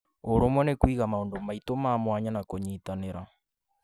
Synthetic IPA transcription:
oɾomwɛnekwiɣamaondomaitomaːmwaɲanakoɲiːtaneɾa

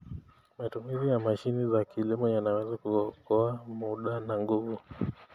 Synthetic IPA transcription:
matumizijamaʃinizakilimɔjanawɛzakukɔamuɗanaŋɡuvu

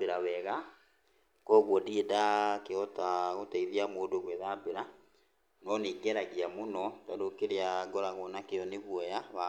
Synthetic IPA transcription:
beɾawɛɣa | kɔɣwɔdiedakeɔtaɣotaiðiamoːdoɣwɛðabeɾa | nɔneɡɛɾaɣeamonɔtadokeɾeaɡɔɾaɣɔnakejɔneɣwɔjaβa

